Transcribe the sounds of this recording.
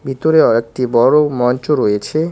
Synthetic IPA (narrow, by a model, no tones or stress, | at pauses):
bʱit̪oɾeɔek̚t̪ibɔɾomɔnt͡ɕoɾojet͡ɕʰe